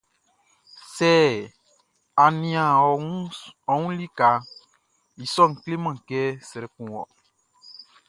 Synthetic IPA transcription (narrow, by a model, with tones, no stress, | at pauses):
sɛ˦ | a˨nĩ˨ã˨˦ɔ˨ŋũ˦li˦ka˨ | i˨sɔ˦˨ŋ̩˨kle˦mã˨kɛ˦sɾɛ˨kũ˨wɔ˨